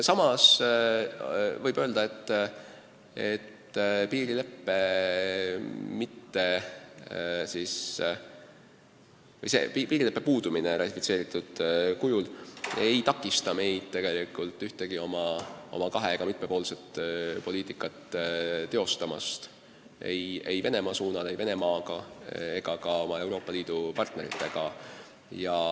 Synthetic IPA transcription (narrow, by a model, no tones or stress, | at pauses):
sɑmɑs | vɤjb̥øld̪ɑe̞t̪ː | ḛt̪ːpiːɾile̞pːe̞ | mit̪ːe̞ | siːs | vɤjse̞̰pipiːɾilepːe̞puːd̪̥uminerʔɑ̰t̪ʲːˑi̥fi̥tse̞ːɾit̪ːˑud̪̥kujulejt̪ɑkːˑist̪ɑme̞jd̪̥̚t̪e̞ɡ̥e̞likˑult̪ːˑyht̪e̞ɡ̥io̞mɑo̞̰mɑkɑɦe̞eɡ̥ɑmit̪̚me̞po̞ːlset̪ːpo̞liːt̪ˑikˑːɑt̪ːˑt̪ːe̞o̞st̪ɑmɑ̰st̪ | ḛje̞jve̞ne̞mɑsuːnɑlejve̞nemɑːɡɑe̞ɡ̥ɑkɑo̞mɑe̞wɾo̞ːpːˑɑliːd̪̥upɑrt̪ne̞ɾḭt̪ːˑe̞ɡ̥ɑ | jɑ